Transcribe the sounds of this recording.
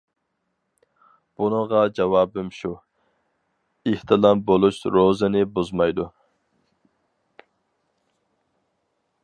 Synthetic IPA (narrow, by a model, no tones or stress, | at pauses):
b̥unəʁɑd͡ʒɛwɑːbɨmʃu | iht̪ʰɨlˠɑmbolˠuʃɾozɪnɪbuzmɑjd̪u